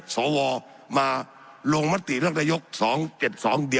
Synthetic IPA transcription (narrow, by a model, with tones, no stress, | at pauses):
sɔː˩˦wɔː˧ | maː˧ | lo˧ŋma˦˥t̪ḭ˨ɾɯ˥˩əŋnaː˧jo˦˥k̚sɔː˩˦ŋt͡ɕe˨˩t̪̚sɔː˩˦ŋdi˧ə